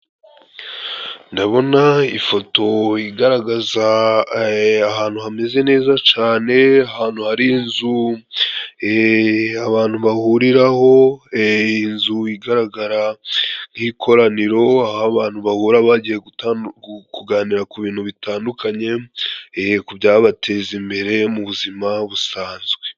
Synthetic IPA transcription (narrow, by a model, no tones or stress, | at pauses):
ndaβo̞naifo̞to̞iɡaɾaɡaza | aɦaːn̥huhame̞ze̞ne̞ːzat͡ʃaːne̞ahaːn̥huhaɾiːnzu | aβaːnhuβahuɾiɾaho̞ | inzuiɡaɾaɡaɾanɡikʰo̞ɾaniɾo̞ahaβaːn̥huβahuːɾaβaɟije | kuɡaniɾakuβiːnhuβitaːndukʰaɲe̞ | kubjaːβatʰe̞ːzimbe̞ɾe̞muβuzimaβusaːnzɡwe̞̥